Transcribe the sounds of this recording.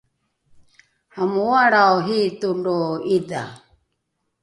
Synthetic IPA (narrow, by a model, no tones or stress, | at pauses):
hamuwaɺaɔɦit̪uɳdɔid̪a̰